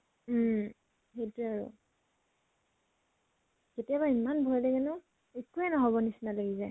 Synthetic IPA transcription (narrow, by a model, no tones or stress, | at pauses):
hejtuaɹṵ | ketijaβaimanbʱɔjlɛɡɛnɔ | ekuɛnɔɦɔbɔnisinalaɡizaj